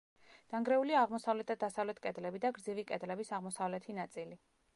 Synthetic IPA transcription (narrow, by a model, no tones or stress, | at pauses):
d̪̥aŋɡɾɛuliaːʁmɔsavlɛt̪ʰad̪d̪ːasavlɛt̪ʰkʼɛd̪lɛbid̪aɡɾd̪zivikʼɛd̪lɛbisaʁmɔsavlɛt̪ʰinat̪sʼili